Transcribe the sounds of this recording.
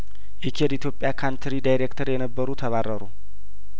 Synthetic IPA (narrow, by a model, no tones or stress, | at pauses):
ʔɛkʰeɾit̪jo̞pʼːjakʰant̪ʰɾidajɾekt̪ʰəɾjɛnəbːəɾut̪ʰəβarəɾu